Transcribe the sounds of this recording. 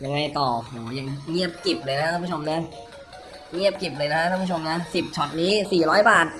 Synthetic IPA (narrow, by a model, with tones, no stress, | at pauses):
ja˨˧˩ŋa˧jt̪ɔː˨˩o˨˧˩hoː˩˦ja˧ŋŋi˥˩əp̚ki˨˩p̚lɤː˧jna˦˥aː˥˦pʰu˥˩o˧mna˦˥ | ŋi˥˩əp̚ki˨˩p̚lɤː˧jna˦˥˧a˥˩pʰu˥˩o˧mna˦˥si˨˩p̚t͡ɕʰɔ˨˩t̪̚niː˦˥siː˨˩ɾɔː˦˥jbaː˨˩t̪̚